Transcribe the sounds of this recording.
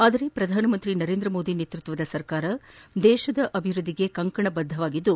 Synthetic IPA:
aːd̪ɐɾepɾɐd̪ʱaːnɐmɐnt̪ɾinɐɾeːnd̪ɾɐmo̞ːd̪ineːt̪ɾut̪ʋɐd̪ɐsɐɾkaːɾɐd̪ɛːʃɐd̪ɐʔɐbʱiʋɾud̪ʱːiɡe̞kɐŋkɐɳɐbɐd̪ʱːɐʋaːɡid̪ːu

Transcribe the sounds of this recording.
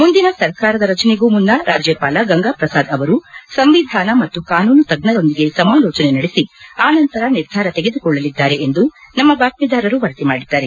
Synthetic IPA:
mund̪inɐsɐɾkaːɾɐd̪ɐɾɐt͡ʃɐneɡuːmunːɐɾʔaːd͡ʒjeːpaːlɐɡɐŋɡaːpɾɐsaːd̪ɐʋɐɾusɐmʋid̪ʱaːnɐmɐt̪ːukaːnuːnut̪ɐɡnɐd̪o̞nd̪iɡe̞sɐmaːlɔːt͡ʃɐnenɐɽesiaːnɐnt̪ɐɾɐniɾd̪ʱaːɾɐt̪eɡe̞d̪ukɔɭːɐlid̪ːaːɾe̞ːnd̪unɐmːɐbaːkpiːd̪aːɾɐɾuʋɐɾɐt̪imaːɽid̪ːaːɾe

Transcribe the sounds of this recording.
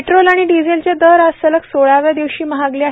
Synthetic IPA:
ʈɾolaɽ̃iɖid͡zelt͡ɕed̪əɾast̪ələksoɭaʋjad̪iʋɕiːməɦaɡlia

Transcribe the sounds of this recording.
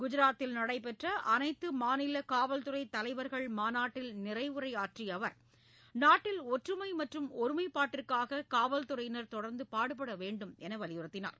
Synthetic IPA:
ɡʊd͡ʒɪɾaːt̪ːɪlnɐɽɐɪpɛʈrɐʔɐnɐɪt̪ːɯmaːnɪlɐkaːʋɐlt̪ɯrɐɪt̪ːɐlɐɪʋɐɾɣɐɭmaːnaːʈːɪlnɪrɐɪɯɾɐɪaːʈrijɐʋɐɾ | naːʈːɪlɔʈrɯmɐɪmɐʈrɯmɔɾɯmɐɪpːaːʈːɪrkaːɣɐkaːʋɐlt̪ɯrɐɪjnɐɾt̪ɔɽɐɾnd̪ɯpaːɽɯp̬ːɐɽɐʋeːɳɖɯmɛnɐʋɐlɪjɯɾɯt̪ːɪna̰ːɾ

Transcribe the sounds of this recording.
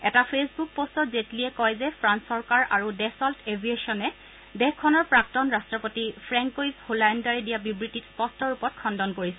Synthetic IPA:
ɛtapʰesbuk̚postɔtzetliɛkɔjzɛpʰɹansɔɹkaɹʔaɹudɛsɔltebʱieʃɔnɛ | dɛxkʰːɔnɔɹpɹak̚tɔnɹastɹɔpotipʰɹɛŋkojzholandaɹɛdijabibɹititspɔstʰɔɹupɔt̚kʰɔndɔnkoɹisɛ

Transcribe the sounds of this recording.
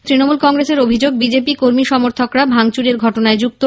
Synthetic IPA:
t̪ɾinomulkɔŋɾeseɾobʱid͡ʑoɡ̚bid͡ʑepikoɾmiʃɔmoɾt̪ʰokɾabʱaŋt͡ɕuɾeɾɡʱɔʈonaed͡ʑuk̚t̪o

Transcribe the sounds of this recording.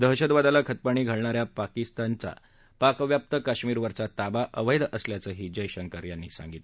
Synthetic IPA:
d̪əɦɕəd̪ʋad̪alakʰət̪̚paɳ̃iːɡʱəɭɳaɾjapakist̪ant͡sa̰ | pakʋjap̚t̪əkaɕmiːɾʋəɾt͡sat̪abaʔəʋəjd̪əsljat͡səːɦiːd͡ʑəjɕəŋkəɾjanːiːsã̰ŋɡit̪le

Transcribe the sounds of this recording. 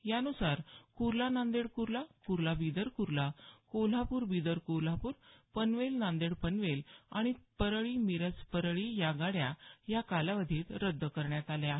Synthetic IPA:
ɦjanusaɾkuɾlanãnd̪eɽkuɾlakuɾlabid̪əɾkuɾlakol̤apuːɾbid̪əɾkuɾl̤apuːɾpənʋelnãnd̪eɽpənʋelaɽ̃ipəɾɭimiɾət͡spəɾɭijaɡaɽjajakalaʋəd̪ʱiːt̪ɾəd̪ʱːəkəɾɳjat̪aljaɦ

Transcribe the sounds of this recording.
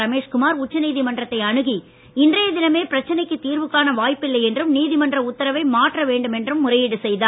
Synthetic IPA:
ɾɐmeːʂkʊmaːɾʊt͡ʃːɐniːðimɐndrɐt̪ːɐɪɐɳɯɣi | ɪndrɐjɐðɪnɐmeːpɪɾɐt͡ʃːɐnɐɪkːɯt̪ːiːɾʋɯkːaːnɐʋaːjpːɪlːɐɪɛndrɯmniːðɪmɐndrɐʊt̪ːɐɾɐʋɐɪmaːʈrɐʋeːɳɖɯmɛndrɯmːʊrɐjɪɽɯsɛjðaː

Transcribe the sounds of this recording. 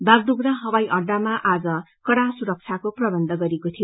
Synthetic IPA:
b̪ard̪uɡrʌɦʌbajʔʌɖːamaʔad͡zʌ | kʌɽasuɾʌk̚t͡sʰjakoprʌbʌnd̪ʱʌɡʌɾekot̪ʰijo

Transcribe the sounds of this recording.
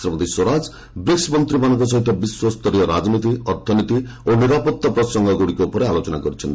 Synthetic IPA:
sɾɔmɔd̪iswoɾad͡ʒ | bɾiksmɔnt̪ɾibanɔkɔs̬ɔɦit̪ʰːɔbiswɔst̪ɔɾijɔɾad͡ʒnit̪iɔɾt̪ʰɔnit̪ioniɾapɔt̪ːapɾɔsɔŋɡʱɔɡuɽikoupɔɾealot͡ʃɔnakɔɾit͡ʃʰɔn

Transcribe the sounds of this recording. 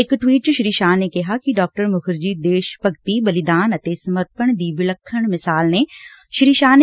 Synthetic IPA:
ɪkʈwiːʈ̚t͡ʃuʃɾiːʃaːnekɛɦakiɖɔːk̚ʈəɾmʊkʰəɾd͡ʒiːd̪eːʃpɐɡt̪ibɐlɪd̪aːnɐt̪esɐməɾt̪̚pəɽ̃d̪iːbɪləkʰːəɽ̃mɪsaːlneʃɾiːʃaːn

